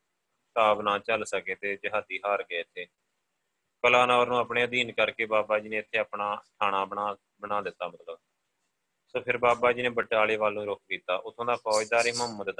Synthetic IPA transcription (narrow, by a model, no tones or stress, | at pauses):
t̪aːbnaːt͡ʃəlsəkeːt̪eːd͡ʒəɦaːd̪iːɦaːɾɡeːɪt̪ʰːeː | kəlaːnaːɾnũːaːpɳeːəd̪iːnkəɾkeːbaːbaːd͡ʒiːnẽːɪt̪ʰːeːaːpɳaːʈʰaːɽ̃aːa | bənaːd̪ɪt̪ːaːmət̪ləb | soːpʰɪɾbaːbaːd͡ʒiːnẽːbəʈaːleːʋaːlːũːɾʊk̚ʰkiːt̪aːʔʊt̪ʰːõːd̪aːpɔːd̪aːɾeːməmːəd̪d̪